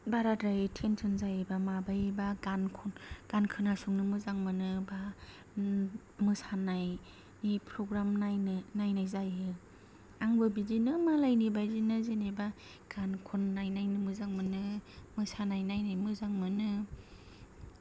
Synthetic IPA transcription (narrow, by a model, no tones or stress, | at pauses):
baɾadɾajtʰentʰɯnzajebamabajbaɡankʰɔnɡ̥ankʰɯnasuŋnɯmɯzaŋmɯnɯba | mɯsanaj | nipʰɾɔɡɾamnajnajnajzajɯ | aŋbɯbidinɯmalajnibajzinɯzeneba | ɡ̥ankʰunːajnajnɯmɯzaŋmɯnɯmɯsanajnajnajmɯzaŋmɯnɯ